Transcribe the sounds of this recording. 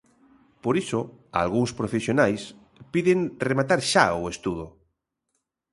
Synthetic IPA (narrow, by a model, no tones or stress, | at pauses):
poɾisoa̰lɣuŋspɾofesjonajs | piðeŋremat̪aɾʃaʊest̪uð̞o